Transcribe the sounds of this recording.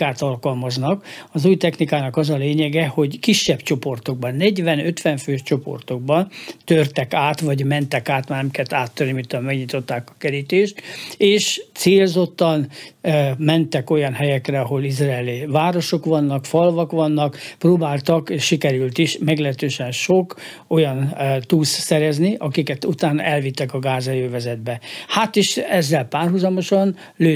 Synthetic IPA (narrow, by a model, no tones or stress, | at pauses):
aːt̪ɒlkɒlmɒznɒkɒzuːjt̪ɛxnikaːnɒkɒzɒleːɲɛɡɛho̞ɟkiʃːɛbt͡ʃo̞po̞rt̪oɡ̚bɒnːɛɟʋɛnøt̪ʋɛɱføːʃt͡ʃo̞po̞̰rt̪o̞ɡ̚bɒnt̪ørt̪ɛkaːt̪ʋɒɟmɛnt̪ɛkaːt̪marnɛmikɛt̪aːt̪ːørnimint̪ɒmɛɡɲit̪o̞t̪ːaːkɒ̥kɛɾit̪eːʃt̪eːʃt̪seːlzo̞t̪ːɒn | mɛnt̪ɛkojɒnɦɛjɛkrɛɒɦo̞lizraːlivaːɾo̞ʃo̞kʋɒnːɒkfɒlvɒkʋɒnːɒkproːbaːlt̪ɒkeʃʃikɛɾylt̪iʃmɛɡlɛɦɛt̪øːʃɛnʃok | o̞jɒnt̪uːssɛɾɛzniʔɒkikɛt̪ut̪aːnɒ̰ʔɛlvit̪ːɛkɒɡaːzɛjøːvɛzɛd̪bɛhat̪iʃɛzːɛlpaːrɦuzɒmo̞ʃɒn | løː